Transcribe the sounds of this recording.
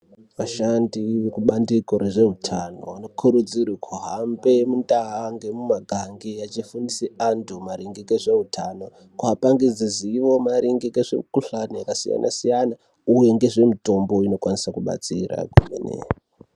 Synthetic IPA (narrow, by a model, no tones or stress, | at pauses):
ʋaʃandiʋekuɓandikoɾeʐe̞ɦutʰano̞ano̞kʰuɾud͡zirikʰoɦambe̞mundaɦaŋɡe̞mumaɡʱaŋɡejat͡ʃifuniseandumaɾiŋɡikeʐe̞ɦutʰano̞ | kapaŋɡed͡ziziʋo̞maɾiŋɡikeʐḛkuɬanijakasija̰nʔa̰sijana | uje̞ŋɡe̞ʐe̞mito̞mbo̞ino̞kwanisakuɓa̰t͡sira̰kumenḛa